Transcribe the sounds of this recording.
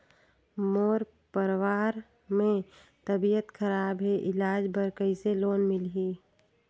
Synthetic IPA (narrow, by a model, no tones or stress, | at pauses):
moːɾ | pəɾwaːɾ | mẽ | t̪əbijət̪kʰəɾaːbɦeʔɪlaːd͡ʒbəɾkəiseloːnmɪlɦiː